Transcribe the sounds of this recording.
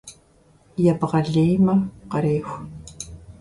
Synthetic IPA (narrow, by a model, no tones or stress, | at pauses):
jɛbʁɐɮeːjmɐqɐɾeːxʷ